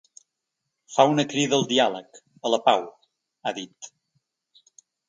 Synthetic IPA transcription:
faunəkɾiðəəlˠd̪ialək | ələpaw | aðit̪

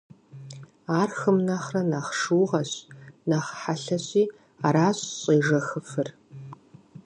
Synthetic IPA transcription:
aːrxɨmnɐχrɐnɐχʂuːʁɐɕnɐχħaɬɐɕʼiː | aːɾaːɕʼɕʼiːʐɐxəfɨr

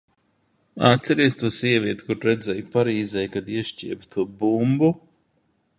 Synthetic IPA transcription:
a̰t̪sʲɛɾiɛst̪uːsiɛvʲiɛt̪u̥kuɾɾɛd̪zɛjpaɾiːzɛjkad̪iɛʃt͡ʃʲiɛbt̪ʰuɔbumbu

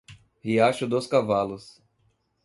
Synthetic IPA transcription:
hiaʃʊd̪oskavalʊs

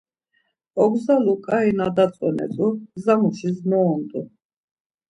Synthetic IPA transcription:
ɔɡzalukʼainad̪at̪sʼɔnɛ̰t̪ʼuzamuʃiznɔːnd̪ʼu

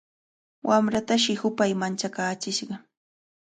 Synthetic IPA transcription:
wʔamɾat̪aʃɪhʊpajmant͡ʃakaːt͡ʃɪʃɢɑ

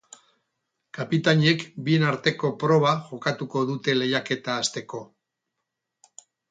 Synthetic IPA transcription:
kapit̪aɲe̞kbie̞naɾt̪e̞ko̞pɾo̞β̞aʝo̞kat̪uko̞ðut̪e̞le̞jake̞t̪aːst̪e̞ko̞

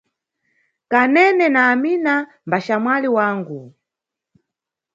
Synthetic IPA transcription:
kanɛnɛnaːmina | mbaʃamwaliwaːŋɡu

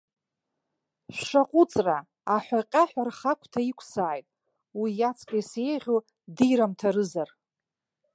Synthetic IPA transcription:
ʃʷʂaqʷʼʊt͡sʼra | aħʷᶣaqʲʼaħʷᶣarχakʷʰʼtʰaikʷʰsaːjtʼ | wijat͡sʰkʼajsejʁʲo | dijɾamtʰaɾɨzar

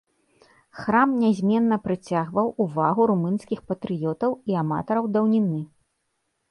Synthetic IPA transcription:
xɾamnʲɛzʲmʲɛnːɐpɾɨt͡sʲaɣvɐwʔuvaɣuɾumɨnskʲixpɐt̪ɾɨjɔt̪ɐwiama̰t̪ɐɾɐwd̪ɐwnʲinɨ

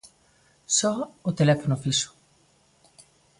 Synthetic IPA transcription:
sɔot̪elɛfonofiso̥

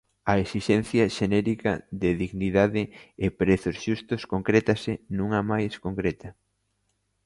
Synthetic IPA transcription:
ɐesiʃɛnθjɐʃenɛɾikɐ̰ðɪðiɣniðaðɪːpɾeθosʃust̪ʊskoŋkɾɛt̪ɐsɪnũŋɐmajskoŋkɾɛt̪ɐ

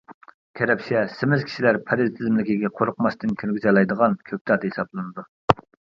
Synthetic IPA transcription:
kʲʰeɾɛpʃiɛsɪmɪzkʲʰi̥ʃilæɾpʰæɾɪzt̪ʰɪzɪmlɪkʲiɡʲɛqʰoɾʊqmɑst̪ɨnkʲʰeɾɡʲyzɛlˠɑjd̪əʁɑnkʲʰøk̚ʲt̪ɑt̪hesɑblˠɨnɨd̪u

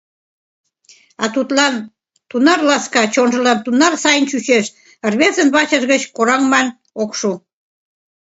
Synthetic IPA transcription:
ɑt̪ut̪lɑn | t̪unɑrlɑskɑt͡ɕonʒə̆lɑnt̪unɑrsɑjənt͡ɕyɕeʃ | ə̆rβezənβɑt͡ɕəʒɣət͡ɕkoɾɑŋmɑn | okʃu

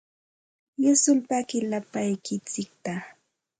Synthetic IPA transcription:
jasʊlpakɪlapajkɪt͡sɪk̚t̪a

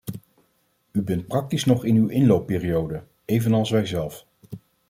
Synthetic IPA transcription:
ybɛnt̚prɑk̚tisnɔχɪnywʔɪnlowpːɪːrijowdə | ejvənɑlˠsʋɛjzɛlˠf

